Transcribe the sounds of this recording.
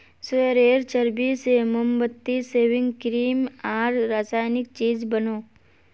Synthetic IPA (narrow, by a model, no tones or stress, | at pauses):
sʋeɾeːɾt͡ʃəɾbiseməmbət̪ːiseːʋɪ̃ŋɡkɾiːmaːɾːaːsaːjnɪk̚t͡ʃiːd͡ʒbənoː